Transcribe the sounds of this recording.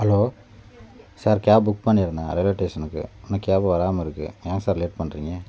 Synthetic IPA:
hɐloː | saːɾkaːbbʊk̚pɐɳːɪɾɯnd̪aːɾɛleʈːeːʂɐnɯkːɯ̰ɔnːɐkːaːbɐʋɐɾaːmɐɪɾɯkːɯ̰ãːŋɡɐsaːɾɪleːʈ̚pɐɳːɾiːŋɡɐ

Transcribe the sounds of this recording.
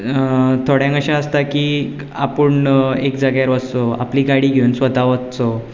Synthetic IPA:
t̪ʰoɽjãŋɡəɕãəst̪akiː | a̰pəɳekd͡zaɡjaɾʋəst͡soa̰pliːɡaɽiːɡʱewnsʋət̪aʋətt͡so

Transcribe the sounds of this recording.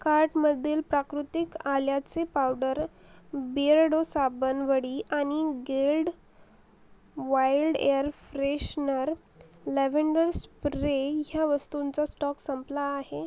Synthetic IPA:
kaɾʈməd̪ʱːiːlpɾakɾut̪ikaljat͡sepawɖəɾ | biɾɽosabənʋəɽiʔañiɡelɖ | ʋajlɖḛjəɾfɾeɕnəɾ | leʋeɳɖəɾspɾeɦjaʋəst̪unt͡sasʈɔksəmplajaɦe

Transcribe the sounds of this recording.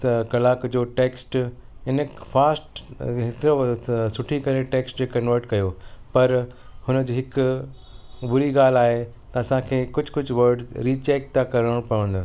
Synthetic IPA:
kɐlaːkd͡ʑoːʈeːksʈɪnkfaːsʈɦɪt̪ɾosʊʈʰikɐɾeʈeːksʈd͡ʑoːkɐnʋəɾʈkɐjopɐɾ | hʊnə̆d͡ʑiɦɪk | bʊɾiɡaːl̤aːɦe | t̪ɐɐsãkʰeːkʊd͡ʑʱkʊd͡ʑʱʊʋɐɾɖzɾiːt͡ɕeːk̚t̪akɐɾəɽ̃pɐʋə̃nd̪o

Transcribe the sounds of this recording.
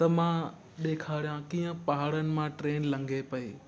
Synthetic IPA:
t̪ɐmã | ɗeːkʰaːɽijãkiːə̃paɦaɽənɪ̆mãʈɾeːnlɐ̃ŋɡʱepɐeː

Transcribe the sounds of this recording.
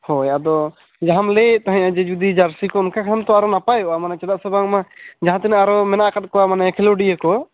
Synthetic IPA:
hɔjɛʔad̪ɔ | d͡ʒaɦamlɛt̪aɦãjãd͡ʒɛd͡ʒud̪id͡ʒaɾsikɔɔnkakʰant̪ɔaɾɔnapajɔʔamanat͡ʃɛd̪aʔsɛbaŋmad͡ʒaɦãt̪ɛnaaɾɔmɛnaʔkat̪̚ˀkɔamanajakʰɛlɔɖijəkɔ

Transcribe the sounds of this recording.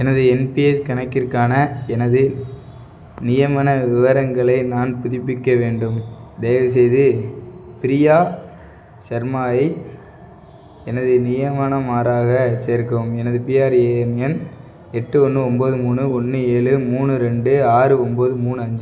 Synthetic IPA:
ɛnɐðɯɛnpiɛskɐɳɐkːɪɾkːaːnɐɛnɐðɯ | nɪjɐmɐnɐʋɪʋɐɾɐŋɡɐɭɐɪnaːnpʊðɪpːɪkːɐʋeːɳɖɯmd̪eːɐʋs̬ɛjðɯpɪɾɪjaː | sɐɾmaːɐɪ | ɛnɐðɯnɪjɐmɐnɐmaːɾaːɣɐt͡ʃeːɾkɐmɛnɐðɯpiːaːɾeːnɛn | ɛʈːɯɔnːɯɔmboːðɯmuːnɯɔnːɯeːɭɯmuːnɯɾɛɳɖɯaːɾɯɔmboːðɯmuːɳɯɐɲd͡ʒɯ

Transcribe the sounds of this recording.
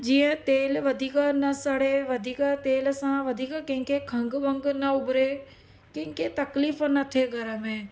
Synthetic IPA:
d͡ʒiːə̃t̪eːlʋɐd̪ʱiːknɐsəɽeʋɐd̪ʱiːkat̪eːlsãʋɐd̪ʱiːkkɐ̃ɦɪ̃ŋkekʰɐ̃ŋɡʋɐ̃ŋɡnɐʊbɾe | kɪ̃ɦɪ̃ŋket̪ɐkliːfnɐt̪ʰeɡɐɾəmẽː

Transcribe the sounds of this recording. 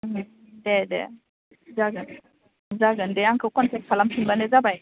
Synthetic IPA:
dedɛ̰ | zaɡən | zaɡəndɛaŋkʰəkɔntɛk̚kʰalampʰinbaned͡zabaj

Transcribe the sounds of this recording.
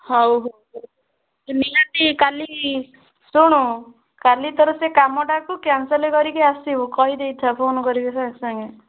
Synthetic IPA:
ɦɔwɦo | nijat̪ikali | suɽ̃u | kalit̪ɔɾɔsekamɔʈakukansɔlekɔɾikiasibukɔɦid̪ejt̪ʰapʰonkɔɾikisasaŋɡe

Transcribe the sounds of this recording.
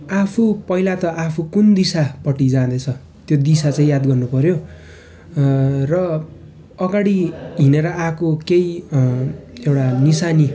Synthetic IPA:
apʰupʌilat̪ʌʔapʰukund̪isapʌʈid͡zãd̪ʌt͡sʰʌ | t̪jod̪isat͡saĩjad̪ɡʌrnupʌɾjo | rʌ | ʌɡaɽiɦineɾʌakokej | ewʈanisani

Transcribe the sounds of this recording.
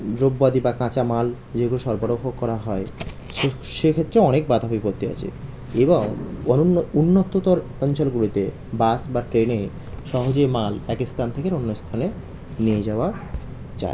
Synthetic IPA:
d̪ɾobːad̪ibakãt͡ɕamal | d͡ʑeɡuloʃɔɾbaɽobʱɦoɡkːɔɾaɦɔe | ʃe | ʃekʰet̪ːɾeɔnek̚bad̪ʱabipot̪ːia̰t͡ɕʰḛ | eboŋ | unːot̪ːot̪oɾ | ɔnt͡ɕolɡulit̪e | basbaʈɾene | ʃɔɦod͡ʑojmalpɛkist̪ʰant̪ʰekeɾonːost̪ʰane | nied͡ʑaoa | t͡ɕa̰e

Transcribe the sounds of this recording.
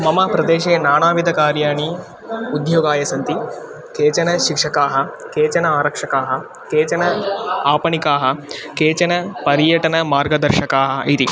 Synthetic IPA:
mɐmaːpɾɐd̪eːʃeːnaːɳaːʋid̪ɐkaːɾjaːɳi | ud̪joːɡaːjɐsɐnt̪i | keːt͡ʃɐnɐʃikʂɐkaːɦɐ̆keːt͡ʃɐnɐaːɾɐkʂɐkaːɦɐ̆ | keːt͡ʃɐnɐaːpɐɳikaːɦɐ̆keːt͡ʃɐnɐpɐɾjɐʈɐnɐmaːɾɡɐd̪ɐɾʃɐkaːɦɐ̆ʔit̪i

